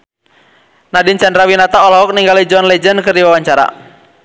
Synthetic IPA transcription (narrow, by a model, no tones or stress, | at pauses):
nadint͡ʃɛndɾawinat̪aɔlɦɔk̚niŋɡalid͡ʒɔnlɛd͡ʒənkɨrdiwawaɲt͡ʃaɾa̰